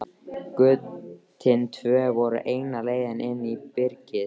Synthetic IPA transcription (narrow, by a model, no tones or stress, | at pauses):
kʏt̪ʰːɪnt̪ʰvœːvɔɾʏ̰ʔeːjnaleːjðɪnʔɪnːipɪɾcɪ